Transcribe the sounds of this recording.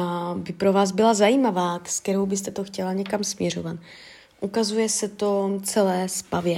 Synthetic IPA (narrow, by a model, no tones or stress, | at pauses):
abɪpɾo̞vaːzbɪlazajiːmavaːsk̪ɛɾo̞wbɪst̪ɛt̪o̞xcɛlaɲɛkamsmɲɛɾ̝ovat̪ | ʔukazujɛsɛt̪o̞t͡sɛlɛːspavjɛ